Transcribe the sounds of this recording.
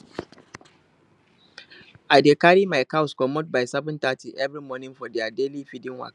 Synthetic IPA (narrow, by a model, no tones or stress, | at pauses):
ʔadeːkaːɾimajkawskɔmɔt̚bajsɛbʊ̃ntatiʔɛvɾimɔnɪfɔdiadeːliɸidɪnwa̰k